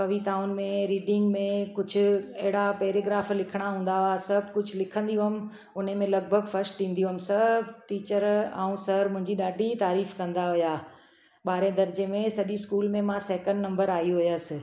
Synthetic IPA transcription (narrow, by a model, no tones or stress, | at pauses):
pɐʋit̪aːʊnɪ̆mẽɾiːɖɪ̃ŋɡmẽkʊd͡ʑʱʊ̆ɛɦɪɽapeːɾeːɡɾaːflɪkʰɪɽ̃aɦũːnd̪aɦʊjasɐbʱkʊd͡ʑʱʊlɪkʰə̃nd̪ijũɦəmɪ̆ | ʊn̤emẽlɐɡ̚bʱəɡfɐɾsʈĩːnd̪ijũɦəmɪsɐbʱʈiːt͡ɕəɾã̰ːũsɐɾmʊ̃ɦɪ̃ɲd͡ʑiɗaːɖʱit̪aːɾiːfkɐ̃nd̪aɦʊjaː | ɓaːɾẽd̪ɐɾd͡ʑemẽsɐʄiskuːlmẽmãsɛːkə̃ɳɖnɐ̃mbəɾaːiũɦʊjəsɪ̆